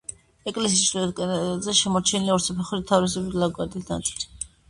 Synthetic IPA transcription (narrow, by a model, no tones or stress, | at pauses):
ɛkʼlɛsisʃɛkʼɛzɛʃɛmɔɾt͡ʃʰɛniliɔɾsapʰɛχuɾit̪ʰːavɾis̬ɛbit̪laɡwaɾd̪isna̰t̪sʼt̪ʰi̥